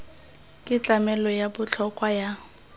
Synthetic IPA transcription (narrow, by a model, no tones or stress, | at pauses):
kʼɪt͡ɬʼamɛlɔjabʊt͡ɬʰɔkʼwaja